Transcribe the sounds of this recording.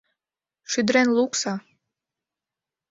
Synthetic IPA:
ʃyd̪ɾenluksɑ

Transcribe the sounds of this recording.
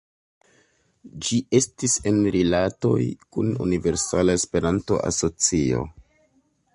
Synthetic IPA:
d͡ʒiʔe̞stise̞nɾilato̞̰jkunṵnive̞ɾsalaespe̞ɾanto̞̰ʔa̰so̞t͡sio̞̰

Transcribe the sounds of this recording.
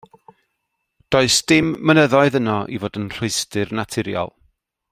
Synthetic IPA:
d̥oːɨsd̥ɪmːənəðɔɨðənɔʔḭvoːdənr̥ʊɨstɨrnatʰɪɾjɔ̰lˠ

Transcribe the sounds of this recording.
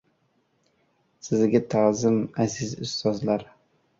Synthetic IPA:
sɪzɡʲat̪ʰazɪmazɪzʊ̰st̪ɒzlaɾ

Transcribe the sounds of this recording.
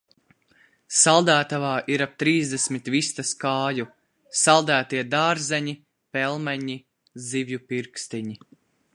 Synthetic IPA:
salˠd̪æːt̪avaːʔiɾap̚t̪ɾiːzd̪ɛsmit̪vist̪askaːju | salˠd̪æːt̪iɛd̪aːɾzɛɲi | pɛlˠmɛɲi | zivʲjupiɾkst̪iɲi

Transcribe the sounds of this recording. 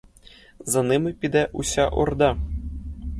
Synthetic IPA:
zɤ̆nɨmɘpʲid̪æʔuɕʲɑʔord̪ɑ

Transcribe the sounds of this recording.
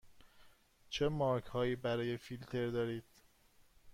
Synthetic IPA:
t͡ʃʰemɒːɾkhɒːjiːbæɾɒːje̞filt̪ʰe̞ɾd̪ɒːɾiːd̪̥

